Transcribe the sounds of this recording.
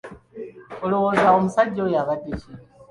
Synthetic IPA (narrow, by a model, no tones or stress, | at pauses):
olowo̞ːzaomusaɟːojaβadeci